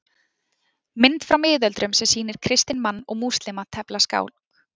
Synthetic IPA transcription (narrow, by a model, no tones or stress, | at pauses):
mɪnt̪fɾawmɪːðœlt̪ɾʏmsɛmsiːnɪɾ̥kʰɾɪst̪ɪnmanːɔɣmust̪lɪmat̪ʰɛplaska̰ːwlk